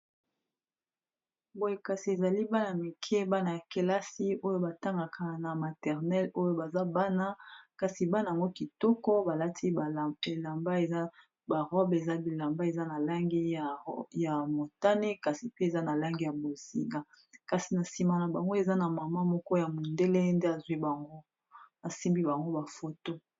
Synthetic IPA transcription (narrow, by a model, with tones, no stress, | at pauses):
bo˨je˨ka˨si˨e˨za˨li˦ba˦na˨mi˨kʰɛ˦ba˦na˨ja˨ke˨la˦si˦o˦jo˦ba˨ta˦ŋɡa˨kʰa˨na˨ma˨tɛ˨ʁnɛ˦lo˦jo˦ba˨za˦ba˦na˦ka˨si˨ba˦na˨a˨ŋɡo˦ki˨tɔ˦kɔ˦ba˨la˦tʰi˦˨e˨la˨mba˦˨˦ | ba˨ʁɔ˦be˨za˦bi˨la˨mba˦e˨za˦na˨la˦ŋɡi˦a˨ja˨mo˨ta˦ne˦ka˨si˨pe˦e˨za˦na˨la˦ŋɡi˦ja˨bo˨si˨ŋɡa˦ | ka˨si˨na˨si˨ma˦na˨ba˨ŋɡo˦e˨za˦na˨ma˨ma˦mɔ˦kɔ˦ja˨mo˨nde˦le˦nde˦a˨zu˨i˦ba˨ŋɡo˦ | a˨si˦mbi˦ba˨ŋɡo˦ba˨fo˦to˦